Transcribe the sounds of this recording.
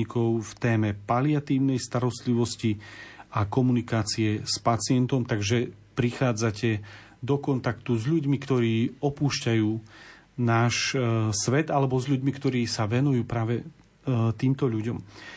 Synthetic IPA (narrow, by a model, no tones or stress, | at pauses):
ikɔʊft̪ɛːmɛpaliat̪iːʊnɛjst̪aɾɔst̪liʋɔsciakɔmunikaːt͡siɛspat͡sɪɛnt̪ɔmt̪aɡʒɛpɾixaːd͡zacɛ | d̪ɔkɔnt̪akt̪uzʎuɟmikt̪ɔɾiːɔpuːʃcajuː | naːʃsʋɛd̪alɛbɔzʎuɟmikt̪ɔɾiːsaʋɛnujuːpɾaːʋɛ | t̪iːmt̪ɔʎuɟɔm